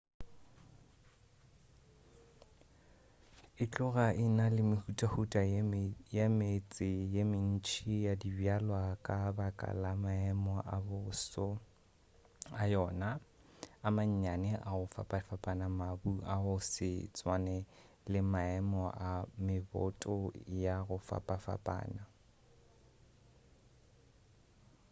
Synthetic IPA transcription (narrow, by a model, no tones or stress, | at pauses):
ɪt͡ɬʼʊɣaʔɪnalɪmɪhutʼahutʼajamet͡sʼɪjemɪn̩t͡ʃʰijadibjalwakʼabakʼa̰lamaɛmɔʔabʊsɔ | ajɔːnaː | maɲ̩ɲanɛʔaɣʊfa̰pʼafapʼanamabuaʊsɪt͡sʼwanɛ | lɪmaɛmɔʔamɪbɔ̰tʼɔjaɣʊfa̰pʼafa̰pʼa̰ːna